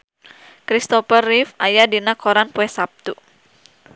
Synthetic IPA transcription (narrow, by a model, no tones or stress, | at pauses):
kɾist̪ɔfərifajadinakoɾanpuɛsap̚t̪u